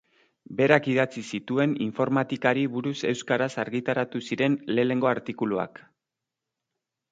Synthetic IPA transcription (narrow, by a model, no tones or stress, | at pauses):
be̞ɾakið̞at͡sisit̪ue̞niɱfo̞ɾmat̪ikaɾiβuɾuse̞wskaɾasaɾɣit̪aɾat̪usiɾe̞nle̞ːne̞ŋɡo̞aɾt̪ikulua̰k